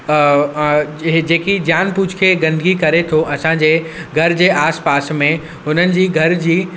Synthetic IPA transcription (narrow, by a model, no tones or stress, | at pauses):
d͡ʑeːkid͡ʑjaːnpuːt͡ʃʰkʰeɡɐ̃nd̪ɡikɐɾet̪ʰoʔɐsãd͡ʑeːɡʱɐɾd͡ʑeʔaːspaːsmẽ | ʊn̤ənɪ̆d͡ʑiːɡʱɐɾd͡ʑiː